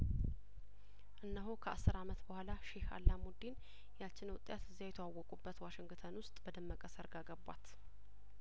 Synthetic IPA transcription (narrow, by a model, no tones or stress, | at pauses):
ʔɨnːəɦokʰəasːɨɾamət̪bəhʷalaʃeha̰lːamud̪in | jat͡ʃːɪnəwʊt̪ʼjat̪ɨzːijajɛt̪ʰəwawːɔkʼubːət̪waʃɪŋɡt̪ʰənwʊst̪ʼbəd̪əmːəkʼəsəɾɡaɡəbwa̰t̪